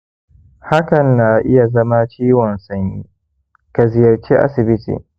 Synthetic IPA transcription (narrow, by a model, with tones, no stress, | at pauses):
ha˦kɐ˨nːa˨ʔɪ˦ja˨zɐ˦ma˦t͡ʃiː˦wɔ˨nsɐ˨ɲːiː˦ | ka˨zɪ˨jɐ˨rt͡ʃi˦ʔa̰˦sɪ˨bɪ˦tḭː˨